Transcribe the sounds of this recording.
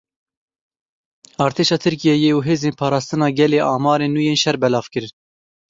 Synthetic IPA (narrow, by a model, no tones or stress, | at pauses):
ɑːɾt̪ʰeːʃɑːt̪ʰɨɾkijɛjeuɦeːzeːnpʰɑːɾɑːst̪ɨnɑːɡɛleːʔɑːmɑːɾeːnːuːjeːnʃɛɾbɛlɑːv̥kɨɾɨn